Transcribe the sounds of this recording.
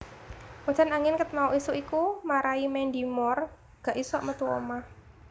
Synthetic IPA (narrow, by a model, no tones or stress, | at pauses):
wɔd͡ʒ̥a̤naŋɪnkət̪̚mauʔisuʔikumaɾaimɛndimɔr | ɡ̥aʔisuaʔmət̪uɔ̰ma